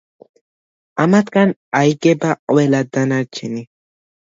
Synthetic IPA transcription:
amat̪kanajɡebaʔwelad̪anaɾt͡ʃʰini

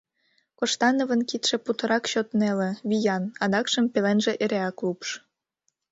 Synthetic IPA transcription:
koʃt̪ɑnovənkit̪ʃe̽put̪ə̆ɾɑkɕot̪nelĕβijɑnɑd̪ɑkʃəmpelenʒĕʔeɾeɑklupʃ

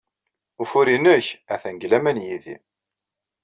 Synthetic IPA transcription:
ufuɾinəçæθæŋɡlæmænjiðḭ

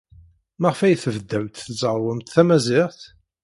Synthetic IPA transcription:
məʁfæjθəvd̪ːæwt̪θzˤəɾˤwəmt̪θæmæzɪʁθ

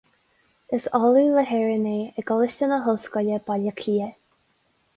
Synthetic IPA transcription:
əsɔluːləɦɛɹəneːəɡɔlɪʃtənəɦʊlskɔlʲəbaləkʰliːə

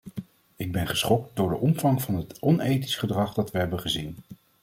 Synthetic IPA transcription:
ɪɡ̚bɛnχəsχɔk̚tdʊːɹdəʔɔmv̥ɑŋvɑnɦətɔnejti̥sχədrɑχdɑtʋəɦɛbəχəzin

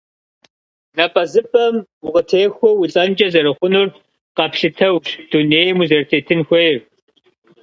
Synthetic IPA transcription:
nɐpʼɐzɨpʼɐmʊʁətʰeːxʷɔwit͡sʼɐnd͡ʒʼɐzɐɾɨχʷʊnʊr | qɐpʃɪtʰɐwɕd̥uneːjmuzɐrtʰeːtʰɨnxʷejr

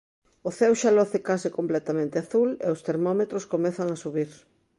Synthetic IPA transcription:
ʊθewʃalɔθɪkasikomplɛt̪amẽnt̪eaθulḛost̪eɾmɔmet̪ɾoskomeθaŋasuβiɾ

